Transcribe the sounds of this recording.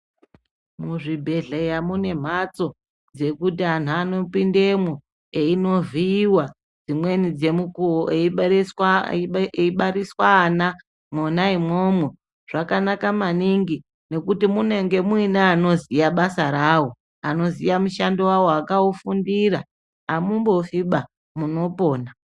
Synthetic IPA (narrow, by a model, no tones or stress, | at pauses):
muʐibʱe̞ɮejamune̞m̤at͡so̞ | d͡ze̞kutian̤uano̞pindemwo | eino̞viːwa | d͡zimwe̞nid͡ze̞mukuoes | eiɓaɾiswaːna | monaimo̞mwe̞ | ʐ̥akanakamaniŋɡi | ne̞kutimune̞ŋɡe̞mwinaːno̞zijaɓasaɾaːwo | ano̞zijamuʃandowawoakaufundiɾa | amumbo̞fiɓa | muno̞po̞ːna